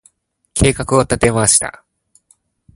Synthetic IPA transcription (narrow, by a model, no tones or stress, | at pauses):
kʰe̞ːkakɯ̟ot̪at̪e̞maɕi̥t̪a̰